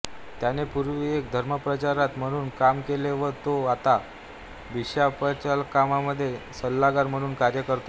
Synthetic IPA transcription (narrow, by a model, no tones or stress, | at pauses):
t̪janepuɾʋiek̚d̪ʱəɾməpɾət͡ɕaɾat̪m̤əɽ̃uːnkamkeleʋəɾt̪oat̪a | ʋiɕapət͡ɕalkamaməd̪ʱːjesəlːaɡaɾm̤əɽ̃uːnkaɾjəkəɾt̪o